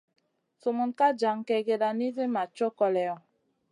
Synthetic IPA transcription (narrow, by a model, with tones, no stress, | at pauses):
so˨mu˨nka˦d͡ʒa˨ŋkɛ˨ɡe˨da˨ni˦ze˦ma˨t͡ʃo˦kɔ˨lɛ˨ɔ˨